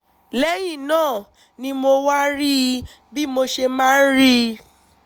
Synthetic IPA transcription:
lɛ˦ji˦˨nãː˦˨ | nĩ˧mo˧wa˦ɾi˦ | bi˦mo˧ʃe˧mãː˦ɾi˦

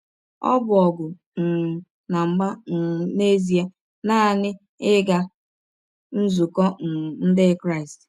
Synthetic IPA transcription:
ɔ̰˦bʊ˨ɔ˨ɡʊ˨ | n̩˨ | na˨ŋ͡m̩˨ɡ͡ba˦˨ne˦zi˨a˦ | na˦˨nɪ˦ | ɪ˦ɡa˦ | n̩˦zu˨kɔ˦˨n̩˦de˦kɾa˦˨ɪ˨st

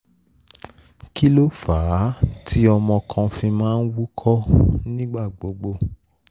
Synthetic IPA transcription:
ki˦lo˦faː˨˦tʰi˦ɔ˧mɔ̃˧kʰã˧fĩ˧mãː˦˧n̩˦wu˦kʰɔ˦nĩ˦ɡ͡ba˦˨ɡ͡bo˨˦ɡ͡bo˧

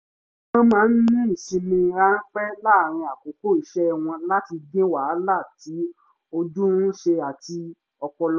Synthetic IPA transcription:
mã˦mãː˨˦˧n̩˦nĩ˦i˨ʃĩ˧mĩ˧ɾa˦n̩˦k͡pɛ˦la˦˨ɾ̃ĩ˧a˨ko˨ko˦i˨ʃɛ˦˨w̃ɔ̃˧la˦ti˧ɡĩ˦wa˨˦la˦˨ti˨˦ | o˧d͡ʒũ˦n̩˦ʃe˧a˨ti˧ | ɔ˧kɔ˧l

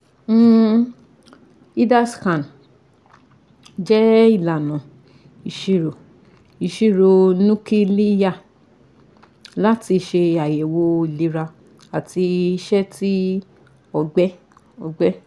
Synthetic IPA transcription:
i˦da˦skã˨n | d͡ʒɛ˦i˦˨la˨nã˨ | i˨ʃi˧˨ɾo˨ | i˨ʃi˦˨ɾo˧nũ˦ki˦li˦ja˦˨ | la˦ti˧ʃe˧a˨je˨wo˧˦i˨li˧ɾa˧ | a˨ti˧i˧ʃɛ˦ti˦ | ɔ˨ɡ͡bɛ˦ | ɔ˧˨ɡ͡bɛ˦

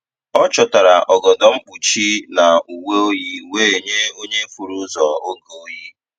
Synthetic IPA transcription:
ɔ˦t͡ʃɔ˨ta˨ɾa˨ʔɔ˨ɡɔ˨dɔ˦ŋ͡m̩˦k͡pu˨t͡ʃi˦na˨u˨we˦o˦ji˦we˦e˨ɲe˦o˦ɲe˦fu˨ɾu˦zɔ˨o˦ɡo˦o˦ji˦

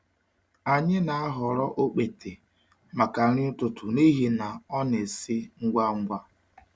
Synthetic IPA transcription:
a˨ɲɪ˦na˨a˦ɦʊ˨ɾɔ˦ʔo˦k͡pe˨te˨ | ma˨ka˨ɾɪ˦ʊ˦tʊ˨tʰʊ˨ni˦ɦi˨na˨ɔ˦ne˨sɪ˦ŋ̩˦ɡʷa˦ŋ̩˦ɡʷa˦

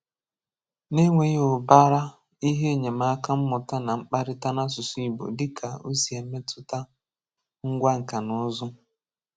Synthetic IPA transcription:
ne˦ŋʷe˨˦o˨ba˦ɾa˦ | i˦ɦe˦e˨ɲe˨ma˦ka˦m̩˦mɔ˨ta˦na˨ŋ͡m̩˦k͡pa˦ɾɪ˦ta˦na˦s̬ʊ˨sʊ˦i˨bo̰˨dɪ˦kʰa˨ṵ˦si˨e˨˦me˦tʰʊ˦ta˦ | ŋ̩˦ɡʷa˦ŋ̩˨ka˨nʊ˦zʊ˦

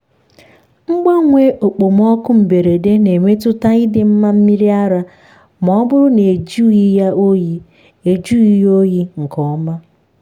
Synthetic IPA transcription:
ŋ͡m̩˦ɡ͡ba˦ŋʷe˦ʔo˨k͡po˨m˦ɔ˦kʊ˦m̩˨be˨ɾe˨de˦ne˨ŋʷe˦tʊ˦ta˦i˦dɪ˨m̩˦ma˦m̩˦mi˦ɾi˦a˦ɾa˦ | m˨ɔ˨˦bʊ˦ɾʊ˦ne˨d͡ʒu˦i˦a˦o˦i˦ | e˨d͡ʒu˦i˦jo˦ji˦ŋ̩˨kɔ˦ma˦

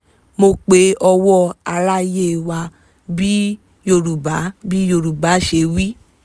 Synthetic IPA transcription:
mo˧˨k͡pe˨˦ɔ˧wɔ˦a˧la˦je˦˨wa˧ | bi˦ | jo˧˨ɾu˨ba˨˦bi˦jo˧˨ɾu˨ba˨˦ʃe˧˦wi˦

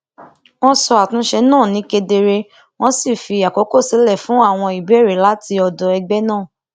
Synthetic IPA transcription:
w̃ɔ̃˦sɔ˧a˨tũ˨˦ʃɛ˧nãː˦˨nĩ˨˦ke˧de˧ɾe˧ | w̃ɔ̃˦si˦˨fi˧a˨ko˨˦ko˦˨si˨˦lɛ˦˨fũ˨˦a˦˨w̃ɔ̃˧i˨bi˦e˦˨ɾe˨˦la˦ti˧ɔ˧˨dɔ˨ɛ˧ɡ͡bɛ˦nãː˦˨

